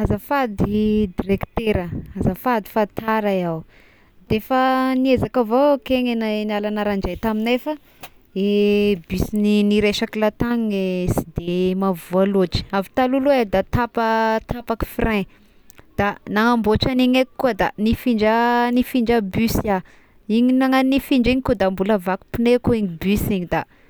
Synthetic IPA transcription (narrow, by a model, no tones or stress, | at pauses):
azafad̪id̪iɾekt̪eɾəazəfad̪i̥fat̪aɾajaw | d̪efaniezakavokeŋenanialanaɾaɳd͡ʒejt̪aminefə | ebysininiɾeʃakilat̪aŋesi̥d̪emavualoʈ͡ʂi̥avi̥t̪alulwed̪at̪apət̪apaki̥frɛ̃ | d̪̥anaŋamboʈ͡ʂaniɲekkːuəd̪anifiɳd͡ʒənifiɳd͡ʒəbysja | iɲinaŋanifiɳd͡ʒiɲikud̪ambuləvaku̥punekuiɲibysiɲid̪a